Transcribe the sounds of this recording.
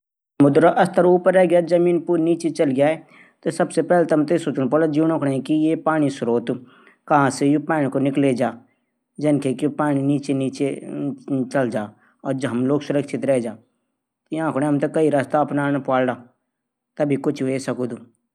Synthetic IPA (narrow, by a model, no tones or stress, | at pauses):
mʊd̪ɾaʔɐst̪ʰəɾuːpəɾːɛɦɡjaːzɐmiːnpuːɾniːt͡ʃet͡ʃɐlɡjaːɛ | t̪osɐbsepɛːlet̪ɐmt̪esoːt͡ʃuñpoːlad͡ʒuːnõːkʰɽeɛ̃kijepaːɽ̃isʊɾoːt̪ | kɐɦãsejopaːɽ̃konɪkled͡ʒaː | d͡ʒɐnkʰekipaːɽ̃iniːt͡ʃeniːt͡ʃe | t͡ʃɐld͡ʒaː | ɔːɾd͡ʒɦɐmloːɡsʊɾəkʃɪt̪ɾɛɦed͡ʒaː | t̪ojãːkʰʊɽ̃eɦɐmt̪ɐkɐiɾaːst̪aɐpnaːnpaːlɽaː | t̪ɐbʱikʊt͡ʃʰʋesɐkoːd̪u